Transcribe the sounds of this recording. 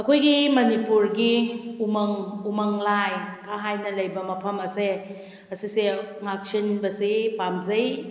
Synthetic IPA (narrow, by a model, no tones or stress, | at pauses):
ɐkʰojɡimɐnipuɾɡiumɐŋumɐŋlajkʰaɦajnɐlɐjbɐmɐpʰɐmɐse | ɐsise | ŋak̚sinbɐsepamzɐj